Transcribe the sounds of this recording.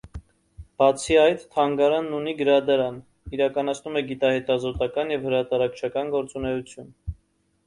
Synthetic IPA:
b̥ɑt͡sʰiɑjt̪t̪ʰːɑŋɡɑɾɑnːuniɡəɾɑd̪ɑɾɑn | iɾɑkɑnɑt͡sʰnumɛɡit̪ɑhɛt̪ɑzɔt̪ɑkɑnjɛvhəɾɑt̪ɑɾɑkʰt͡ʃʰɑkɑnɡɔɾt͡sun̪ɛut͡sʰjun

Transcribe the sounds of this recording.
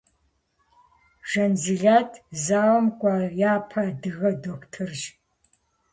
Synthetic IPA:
ʒɐnzɨɮaːtʰzaːwɐmkʷʼajaːpʰɐdɨɣɐdokʷtʰɨrʒ

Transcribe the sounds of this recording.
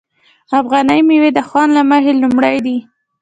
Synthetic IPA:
afɣɑnəjmewed̪əxwɑnlaməhelumɽajd̪i

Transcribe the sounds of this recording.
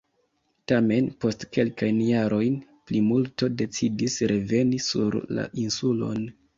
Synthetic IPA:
tame̞npo̞stke̞lkajnjaɾʔo̞jn | plimulto̞de̞t͡sidisɾe̞ve̞nisṵɾla̰ʔinsulo̞̰n

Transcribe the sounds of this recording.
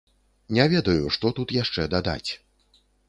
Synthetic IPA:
nʲɛvʲɛd̪ɐjuʂt̪ɔt̪ut̪jaʂt͡ʂɛd̪ad̪a̰t͡sʲ

